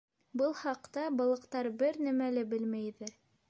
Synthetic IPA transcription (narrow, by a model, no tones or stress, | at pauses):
bɤlˠχɑqt̪ɑbɑlˠɤ̆qt̪ɑɾbɘɾnæmælɘbɘlmæjðæɾ